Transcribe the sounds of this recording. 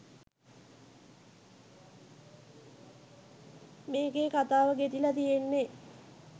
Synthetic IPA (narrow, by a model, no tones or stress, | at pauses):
meːɡeːkat̪aːʋəɡet̪ilɐt̪ijenːe